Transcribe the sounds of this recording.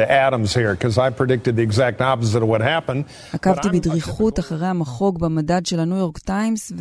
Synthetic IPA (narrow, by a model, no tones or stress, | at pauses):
ʔæɾə̃mz̥hiɹkʰʌzaɪpʰɹ̥ɨdɪk̚tɨd̪̚ðiɨɡzæk̚tɑpəzɨɾʌvwʌt̚hæpə̃n | hakavtibidʁiχutaχaʁejamaχo̞ɡbamadadʃe̞lanujo̞ʁktajms